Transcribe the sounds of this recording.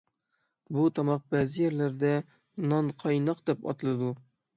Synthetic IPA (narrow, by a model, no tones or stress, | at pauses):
but̪ʰɒmɒq̚bæzɪjæɾlæɾd̪æ | nɒɴqʰɒjnɒqd̪epɒ̰t̪lˠɨd̪u